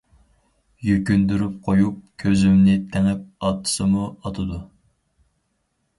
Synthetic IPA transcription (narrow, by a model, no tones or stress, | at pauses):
jykʲynd̪yɾyp̚qʰojup̚kʲʰøzymnɪt̪ʰæŋɛp̚ɑt̪ʰːɨ̥sɨmuɑt̪ʰɨd̪u